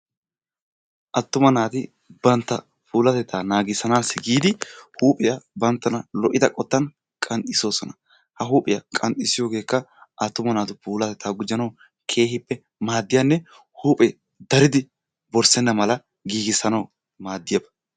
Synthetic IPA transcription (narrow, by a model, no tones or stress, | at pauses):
ʔɐt̪ːʊmɐnaːt̪ɪ | bɐnt̪ːɐ | pʰuːlɐt̪ɛt̪ʰːaːnaːɡɪsɐnaːsːɪɡiːd̪ɪhuːpʼɪjɐbɐnt̪ːɐnɐlɔʔɪd̪ɐkʼɔt̪ːɐn | kʼɐnt̪ʼɪso̞ːsɔnɐ | hɐɦuːpʼɪjɐkʼɐnt̪ʼɪsɪjo̞ːɡe̞ːkːɐʔɐt̪ːʊmɐnaːt̪ʊpuːlɐt̪ɛt̪ʰːaːɡʊd͡ʒːɐnɐw | kʰe̞ːhɪpːɛ | maːd̪ːɪjanːɛ | huːpʼɛ | d̪ɐɾɪd̪ɪ | bɔɾsɛnːɐmɐlɐ | ɡiːɡɪsɐnɐw | maːd̪ːɪjɐbɐ̥